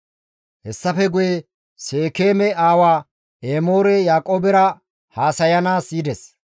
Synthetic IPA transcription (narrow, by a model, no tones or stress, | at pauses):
hɛsːɐfɛɡʊje | seːkeːmɛaːwaː | eːmo̞ːɾɛjaːkʼoːbɛɾɐ | haːsɐjɐnaːsiːd̪ɛs